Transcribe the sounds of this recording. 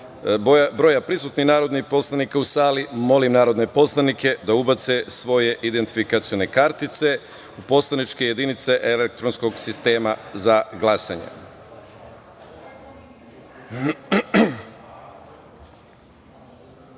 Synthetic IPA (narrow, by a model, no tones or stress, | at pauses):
bɾo̞japɾisuːt̪ninaːɾo̞d̪nihpo̞slˠanikausaːlimo̞limnaːɾo̞d̪ne̞po̞slˠanikʰe̞d̪aubat̪se̞sʋo̞je̞ʔid̪e̞nt̪ifikat̪sio̞ne̞kaɾt̪it̪se̞ | upo̞slˠanit͡ʃke̞je̞d̪init̪se̞ʔelek̚t̪ɾo̞nsko̞ɡsist̪e̞ːmazaɡlˠasa̰ɲḛ